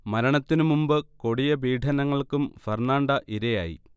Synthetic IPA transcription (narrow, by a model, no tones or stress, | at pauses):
mɐɾɐɳɐt̪ːinɨmumbɨko̞ɽijɐbiːʈʰɐnɐŋːɐɭkumfernaːɳɖɐʔiɾɐja̰ːjḭ